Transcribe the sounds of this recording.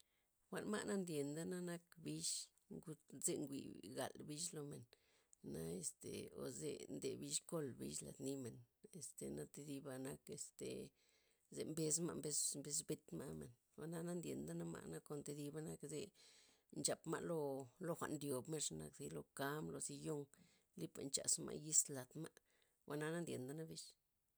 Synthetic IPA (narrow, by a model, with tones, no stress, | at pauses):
xʷa˨nma̰˦˧ʔna˦nd̪je˨nd̪a˦na˦na˦kbi˦ʃ | ŋɡu˦ze˧ŋɡʷḭ˨ɡa̰˨lbi˦ʃlo˧me˨nː | a˧e˧st̪e˨o̰˨˧zḛ˧nd̪e˨bi˦ʃko˦˨lbḭ˦ʃla̰˨d̪ni˦me˨n | e˨st̪e˨na˦t̪e˧d̪i˧˦ba˧na˦ke˧st̪ḛ˨ | ze˧mbe˧sma̰˧mbe˧smbe˧sbe˦t̪ma˧me˨n | wa˧na˦na˦nd̪ʲje˨nd̪a˦na˦ma̰˧˨na˦ko˧nt̪e˧d̪i˧ba˧na˧kze˧ | nt͡ʃa˨pma̰˧ʔlo˦˧lo˧xʷa̰˧ʔnɾjo˨bme˦ʂna˧kzi˧lo˧ka˧˦mlo˧zi˧jo˦ŋ | li˦pa˧nt͡ʃa̰˨smʔa̰˧ʔji˦sla˨d̪ma˦ʔ | wʔa˧na˦na˦nd̪ʲje˨nd̪a˦na˦bi˦ʃ